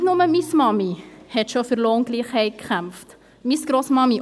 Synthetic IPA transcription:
nʊməmismɑmihɛt̪ʃofyɾloːŋɡ̥liːχhɛɪt̚kχæmft | misɡ̥ɾosmɑmi

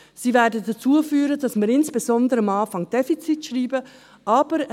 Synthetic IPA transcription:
siːvɛːdədat͡suːəfyːɾəd̥ɑsmɪːɾɪnsb̥ezɔndəɾəɪmɑːfɑŋd̥ɛfit͡sitʃʁiːbə | ʔɑːb̥əɾ

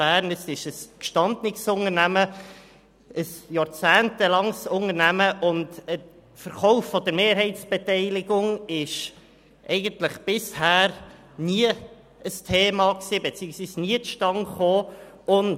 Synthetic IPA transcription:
æːɾnəsɪʃəskʃtɑnd̪nɪksʊŋəɾnæmə | əsjɑːɾt͡sæːntəlɑŋsʊŋəɾnæməʔʊndə | fəɾχɔʊfːɔd̪əɾmeːɾɦɛɪt͡sb̥ɛtɛɪlɪɡʊŋɪʃ | ʔɛ̰ɪɡəntləχb̥ɪshæːɾ | niə | əstʰeːmɑksiːbɛt͡siːəksʋiːsniətʃtɑŋχoː | ʊn

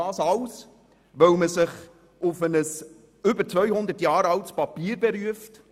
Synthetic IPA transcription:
ɑːsɑws | ʋœwməsɪχ | ʊfənəs | ʏbəɾt͡svœʏhʊnd̪əɾtjɑːɾɑltspɑpiːɾbɛɾyəft

